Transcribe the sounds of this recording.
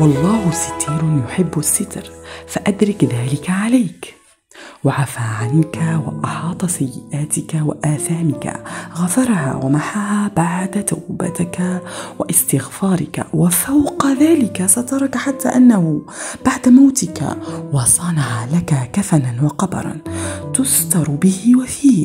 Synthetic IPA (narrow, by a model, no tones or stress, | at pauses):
wɑlˤːɑːhʊsɪ̥t̪iːɾjʊħɪbːasːɪt̪ɾfaʔad̪ɾɪkðaːlɪkaʕalajk | waʕafaːʕankawa̰ʔɑħɑːt̪ˤɑsajːɪʔaːt̪ɪkawaʔaːθaːmɪka̰ɣafɑɾˤha̰ːwamaħaːhaːbaʕd̪at̪awba̰t̪ɪkawaʔɪst̪ɪɣfɑːɾˤɪka̰wafawqɑðaːlɪkasat̪ɑɾˤɑkħat̪ːa̰ːʔanːahʊ | b̥aʕd̪amawt̪ɪka̰wɑsˤɑːnahaːlakakafananwɑqɑbɑ̰ɾˤɑ̰nt̪ʊst̪ɑɾˤbɪhɪwafiː